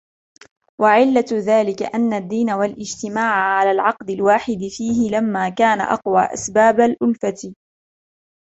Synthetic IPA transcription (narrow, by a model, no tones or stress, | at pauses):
waʕɪlːaðaːlɪka̰ʔanːad̪ːiːnawalʔɪd͡ʒt̪ɪmaːʕaʕalaːlʕɑqd̪ɪlwaːħɪd̪ɪfiːhɪlamːaːkaːna̰ʔɑ̰qwa̰ːʔa̰sbaːbalʔʊlfat̪